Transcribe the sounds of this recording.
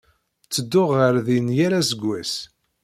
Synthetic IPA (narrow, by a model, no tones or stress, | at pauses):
t͡sːəd̪ːʊʁəɾðinjaɾasəɡʷːæs